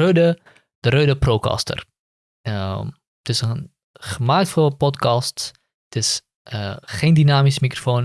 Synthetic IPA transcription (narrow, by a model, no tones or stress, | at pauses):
ødə | d̥əɾødəproːkɑ̰stə̰r | ə | tɪsən | χəmaːk̚tfolˠpɔtkɑst | tɪs | əχeːndinaːmismikrofoːn